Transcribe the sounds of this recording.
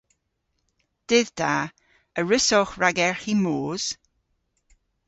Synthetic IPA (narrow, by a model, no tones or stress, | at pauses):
d̥ɪðd̥aː | əɹɪsɔχɹaɡɛɹximoːz̥